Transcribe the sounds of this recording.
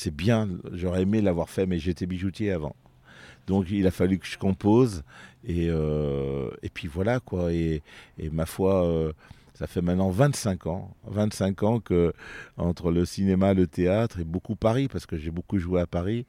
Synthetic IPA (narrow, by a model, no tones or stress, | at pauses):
sɛbjɛ̃ʒɔʁɛemelavwaʁfɛmɛʒeːt̪ebiʒut̪jeavɑ̰̃ | d̪ɔ̃kilafalykə̥ʒ̥ə̥kɔ̃pozeø | ḛpɥivwalakwaḛː | mafwaø | safɛmɛ̃t̪nɑ̃vɛ̃t̪sɛ̃kɑ̰̃vɛ̃t̪sɛ̃kɑ̃kəɑ̰̃t̪χələsinemaelət̪eat̪χebokupaʁipaʁsə̥kəʒebokuʒueapaʁi